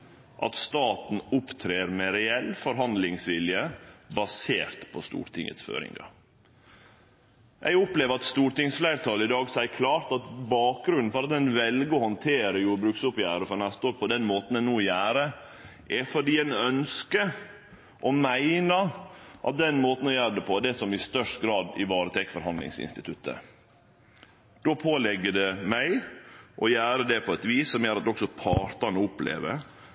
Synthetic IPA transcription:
ʔɑ̰t̪st̪ɑːt̪n̩ʊpt̪ʰɾeːɾmɛɾɛɛlfɔɾɦɑnd̪lɪŋsʋɪljəbɑseːɾt̪pʰɔst̪ṵːɾt̪ʰɪ̰ŋə̰t̪sfø̰ːɾɪ̰ŋɡɑ̰ | ʔɛ̰ɡʊpleːʋəɾɑt̪st̪uːɾt̪ɪŋsflæɪɾt̪ʰɑːləɪd̪ɑːɡsæɪkʰlɑːɾt̪ɑt̪bɑːk̚ɡɾʉnn̩fɔɾɑt̪̚d̪ɛnʋɛlɡəɔhɔnt̪ʰeːɾəjʊbɾʉksʊpjæ̰ːɾəfɔɾnæst̪əoːɾpʰɔd̪ɛnmoːt̪n̩ɛnuːjæːɾə | ʔɛfɔɖiːænœnskə | ʔɔmæɪnəʔɑ̰t̪̚d̪ɛnmoːt̪n̩ɔjæːɾəɖ̪ɛpʰɔɛd̪ɛsɔmɪst̪œʂʈɡɾɑːd̪ɪʋɑːɾət̪ʰekfɔɾhɑnd̪lɪ̰ŋsɪ̰nst̪ɪt̪ʰʉt̪ʰːə̰ | d̪̥oːpʰoːlɛɡːəd̪ɛmæɪʔɔjæːɾəd̪ɛpʰɔɛt̪ʋiːsːɔmjæːɾɑt̪d̪ɔksɔpʰɑːɾt̪ɑɳʊplḛːʋə̰ɾ

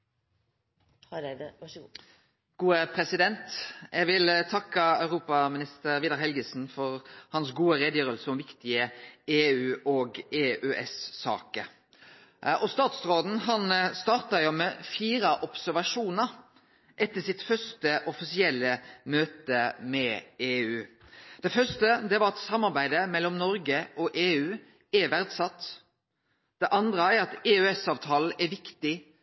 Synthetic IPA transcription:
ɡ̥uːəpʰɾɛsɪd̪ɛnt̪jæʋɪlt̪ʰɑkːəɑʉʁuːpɑmɪnɪst̪əɾʋɪːd̪ɑʁɦɛlɡəsn̩fɔɾhɑnsɡuːəɾeːd̪jøːɾəlsəɔmʋɪkt̪ɪəeːʉːoːɡeːʔʉʔɛsːɑ̰ːkə | ʔɔst̪ɑːt̪sʁoːd̪n̩ɦɑnst̪ɑːʁt̪ɑjʊmɛːfiːɾɑʔɔpsæɾʋɑʂuːnəɾ | ʔɛt̪ːəsɪt̪fœʂtəʔɔfɪsɪɛlːəmøːt̪əmɛeːʉːd̪̥ɛfœʂtəd̪ɛʋɑɾɑt̪sɑmːɑʁbæɪd̪əmɛlːɔmnɔɾɡəʔɔʔeːʉː | æʋæɾd̪sɑt̪ː | d̪̥ɛʔɑnd̪ʁəæɾɑt̪eːʉɛsɑːʋt̪ʰɑːl̩ɛɾʋɪkt̪ɪ

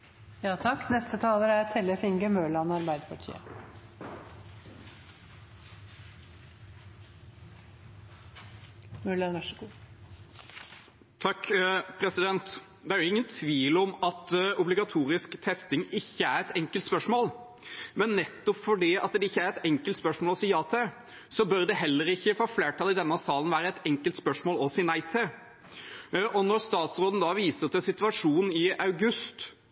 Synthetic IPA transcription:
jɑːt̪ʰɑkːnɛst̪ət̪ʰɑːləɾæɾt̪ʰɛləfɪŋɡəmøːɭɑnɑɾbæɪd̪əpʰɑʈʰḭːə̰ | møːɭɑnɑʂəɡuː | t̪ʰɑkːpʰɾɛsɪd̪ɛnt̪ | d̪ɛæɾɪŋːənt̪ʰʋiːlɔmɑt̪ʊblɪɡɑt̪ʰuːɾɪskt̪ʰɛst̪ɪŋɪçːəæɾɛt̪ɛŋkəlt̪spœʂmoːl | mɛnːɛt̪ːɔpfɔɖiɑt̪̚d̪ɛɪçːəæɾɛt̪ɛŋkəlt̪spœʂmoːlɔsiːɑːt̪ʰɛ | sɔbœɾd̪ɛɦɛlːəɾɪçːəfoːfleːʈʰɑːlɪd̪ɛnːɑsɑːlənʋæːɾəɛt̪ɛŋkəlt̪spœʂmoːlɔsɪnæɪt̪ʰɪ | ʔɔnɔɾst̪ɑːt̪sɾoːd̪n̩d̪ɑʋiːsəɾt̪ɛsɪt̪ʉɑʂuːnn̩ɪɑʉɡʉst̪

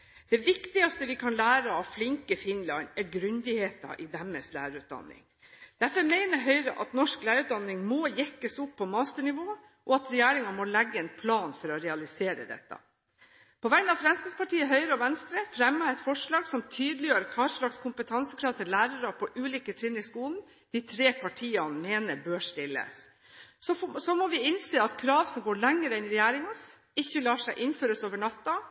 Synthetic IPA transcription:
d̪̥ɛʋɪkt̪ɪɑst̪əʋɪkʰɑnlæːɾəɑʋflɪŋkəfɪnlɑnɛɾɡɾʉnd̪ɪheːt̪ɑ̰ʔɪd̪æmːəslæ̰ːɾʉːt̪̚d̪ɑ̰nːɪ̰ŋ | d̪̥æɾfɔɾmeɪnəɾɦœʏɾəʔɑ̰t̪nɔʂklæːɾʉːt̪̚d̪ɑnːɪŋmoːjɛkːəsʊpʰːɔmɑːst̪əɳɪʋoː | ʔɔɑt̪ɾɛjæːɾɪŋɑmɔlɛɡːəɛːnpʰlɑːnfɔɾɔɾɛɑlɪseːɾə̰d̪ɛ̰t̪ːɑ̰ | pʰɔʋæənɑʋfɾɛmskɪspɑʈiːəɦœʏɾəɔʋɛnst̪ɾəfɾɛmːəɛt̪fɔʂɭɑːɡsɔmt̪ʰyːd̪lɪjøːɾəkʰɑːʂɭɑkskʰʊmpət̪ʰɑnsəkʰɾɑːʋt̪ʰɪllæːɾɑɾɑpʰɔʔʉːliːkət̪ʰɾɪnːɪskuːln | d̪̥ɪt̪ʰɾeːpʰɑʈʰiːɑnmeːnəbøːʂt̪ɪlːə̰s | sɔsɔmɔʋɪɪnseːɑt̪kʰɾɑːʋsɔmɡoːɭæŋːəɾəɛnɪɾɛjæːɾɪŋɑs | ɪçːəlɑːʂæɪʔɪnføːɾəsoːʋəɳɑt̪ːɑ

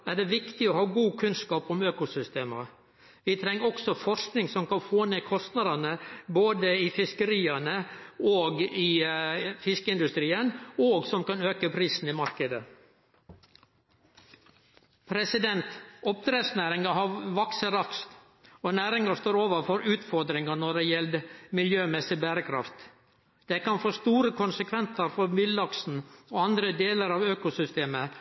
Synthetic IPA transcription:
æɖɛʋɪkt̪ɪɔhɑːɡuːkʰʉnskɑːpɔmøːkʊsʏst̪eːmə̰ | ʋɪt̪ʰɾɛŋːɔksɔfɔʂknɪŋsɔmkɑnfoːneːkʰɔst̪nɑd̪ɑnəboːd̪əɪfɪskəɾiːɑnəoːɡɪ | fɪskəɪnd̪ʉst̪ɾiːənoːɡsɔmkɑnøːkəpʰɾiːsn̩ɪmɑɾkəd̪ə | pʰɾɛsɪd̪ɛnt̪ɔp̚d̪ɾesnæːɾɪŋəhɑʋɑksəɾɑkst̪ | ɔnæːɾɪŋəst̪oːɾoːʋəfɔɾʉːt̪fɔɾd̪ɾɪŋənɔɖɛjɛld̪mɪljøːmɛsɪbæːɾəkʰɾɑ̰ft̪ | d̪̥ɛkɑnfoːst̪uːɾəkʰʊnsəkʰʋɛnt̪əɾfɔɾmɪlːɑksn̩oːɑnd̪ɾəd̪eːləɾɑːʋøːkʊsʏst̪eːmə

